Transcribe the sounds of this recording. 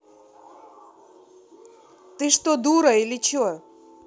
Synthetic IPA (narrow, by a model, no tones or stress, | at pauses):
t̪ɨʂt̪od̪uɾɐilʲɪt͡ɕo